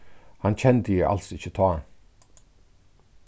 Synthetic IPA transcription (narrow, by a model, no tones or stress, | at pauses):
hant͡ɕʰɛnt̪əjɪʔa̰lsɪt͡ɕːət̪ʰɔː